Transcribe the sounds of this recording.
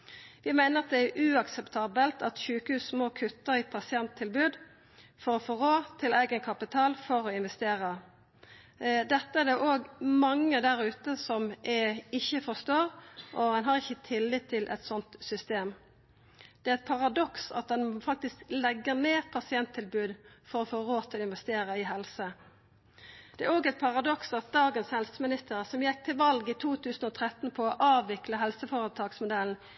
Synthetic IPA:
ʋɪmæɪnəʁɑt̪̚d̪ɛæʔʉɑksɛpt̪ʰɑːbəlt̪ɑt̪çʉːkəhʉːsmoːkʰʉt̪ːəɾɪpʰɑsɪɛnt̪ʰːɪlbʉːd̪ | fɔɾɔfɔʁoːt̪ʰɪlæɪɡənkʰɑpɪt̪ʰɑːlfɔɾɔɪnʋɛst̪eːʁə | d̪ɛt̪ːəæʁd̪ɛʔoːɡmɑŋːəd̪æɾʉːt̪əsɔmʔɛɪçːəfɔst̪oːɾʔɔɛnɦɑʁɪçːət̪ʰɪlːɪt̪ʰːɪlʔɛ̰t̪sɔnt̪sʏst̪eːm | d̪̥ɛæɾɛt̪̚pʰɑʁɑd̪ɔksɑ̰t̪̚d̪ɛnfɑk̚t̪ɪsklɛɡːəʁneːpʰɑsɪɛnt̪ʰːɪlbʉːd̪fɔɾɔfoːʁoːt̪ʰɪlɔɪnʋɛst̪eːʁəɪɦɛlsə | d̪ɛæɾoːɡɛt̪̚pʰɑʁɑd̪ɔksɑt̪̚d̪ɑːɡənshɛlsəmɪnɪst̪əʁəsɔmjɛk̚t̪ʰɪlʋɑlɡɪt̪ʰuːt̪ʰʉːsn̩ɔt̪ʰʁɛt̪n̩pʰɔɔʔɑːʋɪkləɦɛlsəfɔʁət̪ʰɑːɡsmʊd̪ɛln̩

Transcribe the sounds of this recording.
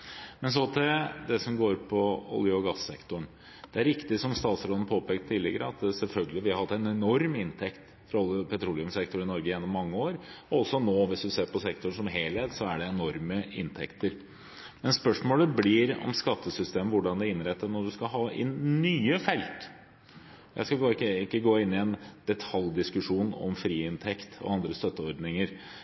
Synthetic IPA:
mɛns̬ɔt̪ʰɪd̪ɛsɔmɡoːɾpʰɔɔ̰lɪɔɡɑsːɛ̰kt̪ʊɳ | d̪̥ɛæɾɪkt̪ɪsɔmst̪ɑːt̪sɾɔd̪n̩pʰoːpeːk̚t̪ʰːɪlːɛɡəɾəɑt̪sɛlfœlɡəlɪʋɪhɑɾhɑt̪ːɛnɛnɔɾmɪnt̪ʰɛkt̪ | fɾɑɔlːɪʊpʰɛt̪ʰɾuːlɪʊmsɛkt̪ʊɾɪnɔɾɡəjeːnːɔmːɑŋːəoːɾɔɔsɔnoːʋɪsd̪ʉseːɾpɔsɛkt̪ʊɳsɔmɦeːlet̪sɔæɖɛɛnɔɾməɪ̰nt̪ʰɛkt̪əɾ | mɛnspœʂmoːləblɪɾɔ̰mskɑt̪ːəsʏst̪eːməʋʊɖɑnd̪ɛɪnɾɛt̪ːənɔɖʉskɑɦɑːɪ̰nyːəfɛlt̪ | jʔæ̰ɪskɑkɑːɾkːəɪkːəɡoːɪnːɪɛnd̪̥ɛt̪ʰɑljd̪ɪskʉʂuːnɔ̰mfɾiːɪnt̪ʰɛkt̪ɔ̰ɑnd̪ɾəst̪œt̪ːəɔɾd̪nɪŋəɾ

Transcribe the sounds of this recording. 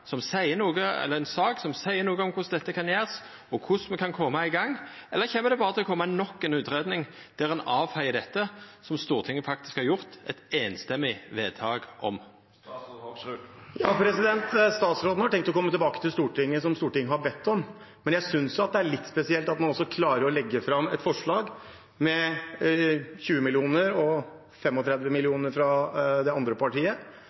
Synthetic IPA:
sɔmsæɪənuːɡəɛ̰lːəʁɛnsɑːksɔmsæɪənuːɡəɔmkʰʊsd̪ɛt̪ːəkʰɑnjæːʁs | ɔkʰʊsmɛkʰɑnkʰɔmːɑɪɡɑŋːɛlːəɾʁçeːməɾd̪ɛbɑːɾət̪ɪlɔkʰɔmːanɔkːɛnʉːt̪ɾeːd̪nɪŋ | d̪̥ɛɾɛnɑːʋhæɪəd̪ɛt̪ːəsɔmst̪uːʁt̪ʰɪŋːəfɑk̚t̪ɪ̥skhɑɾjʊʁt̪ɛ̰t̪eːnst̪ɛmːɪʋeːd̪t̪ʰɑːɡʔɔ̰m | jɑːpʰɾɛsɪd̪ɛnt̪st̪ɑːt̪sɾoːd̪n̩hɑɾɛŋk̚t̪ɔkɔmːət̪ɪlbɑːkət̪ʰɪlst̪uːʈɪŋːəsɔmst̪uːʈɪŋːəhɑɾbɛt̪ːɔm | mɛnjæɪsʏnsjʊɑt̪̚d̪ɛæɭɪt̪ːspɛsɪɛlt̪ɑt̪mɑnɔsːɔkʰlɑːɾəɾɔlɛɡːəfɾɑmːɛt̪fɔʂɭɑːɡ | mɛ | çʉːəmɪlɪuːnəɾɔ | fɛmɔt̪ʰɾɛd̪ʋəmɪlɪuːnəɾfɾɑd̪ɛɑnd̪ɾəpɑʈiːə

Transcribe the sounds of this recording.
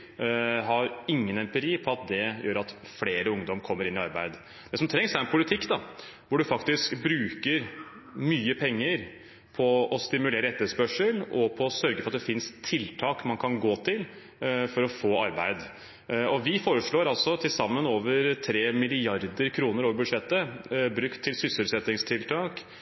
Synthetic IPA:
ɦɑɾɪŋːənɛmpəɾiːpʰɔɑt̪̚d̪ɛjøːɾɑt̪fleːɾəʊŋd̪ɔmkʰɔmːəɾɪnɪɑɾbæɪd̪ | d̪̥ɛsɔmt̪ʰɾɛŋsæɾɛnpʰʊlɪt̪ʰɪkːd̪ɑ | ʋʊɖʉfɑkt̪ɪskbɾʉːkəɾ | myːəpʰɛŋːəɾ | pʰɔɔst̪ɪmʉleːɾəɛt̪ːəspœʂəlɔpʰɔːsœɾɡəfɾɑt̪d̪ɛfɪnst̪ʰːɪlt̪ʰɑːkmɑnkʰɑnɡoːt̪ʰɪl | fɔɾɔfoːɑɾbæɪd̪ | ɔʋɪfoːɾəʂɭoːɾɑlsɔt̪ʰɪlsɑmːənoːʋəɾt̪ʰɾeːmɪlɪɑɾd̪əɾkʰɾuːnəɾoːʋəɾbʉd̪ʂɛt̪ːəbɾʉkt̪ʰːɪlsʏslʉt̪sɛt̪nɪŋst̪ʰɪlt̪ʰɑːk

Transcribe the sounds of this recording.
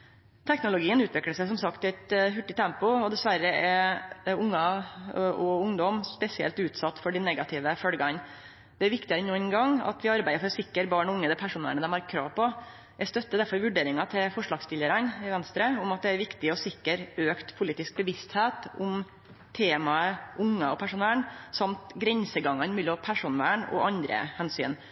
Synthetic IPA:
t̪ʰɛknʊlʊɡiːənʉːt̪ʋɪkləʂæɪs̬ɔmsɑkt̪æɪt̪ɦʉʈːɪt̪ʰɛmpʊɔd̪ɛsʋæɾːəɛ | ʊŋːɑ | ʔɔʊŋd̪ɔmspɛsɪɛlt̪ʉːt̪sɑt̪ːfɔɖɪnɛɡɑt̪ʰɪʋəfœlɡɑn | d̪̥ɛæɾʋɪkt̪ɪəɾənuːənɡɑŋɑ̰t̪ʋɪɑɾbæɪəɾfɔɾɔsɪkːəɾbɑːɳɔʊŋːəd̪ɛpʰæʂuːnə̰ɳəd̪ɛmhɑɾkʰɾɑ̰ːʋpɔ | æst̪œt̪ːəd̪æɾfɔɾʋʉɖeːɾɪŋɑt̪ʰɪlfɔʂɭɑːɡst̪ɪləɾɑnɪʋɛnst̪ɾəʊmɑt̪̚d̪ɛæɾʋɪkt̪ɪɔsɪkːəɾøːkt̪pʰʊliːt̪ɪsk̚bəʋɪst̪heːt̪ʊm | t̪ʰeːmɑəʔʊŋːəɔpʰæʂʊnæːɳsɑmt̪ɡɾɛnsəɡɑŋɑnmʉlɔpʰæʂunʋæ̰ːɳɔ̰ʔɑnd̪ɾə̰hɛnsy̰ːn

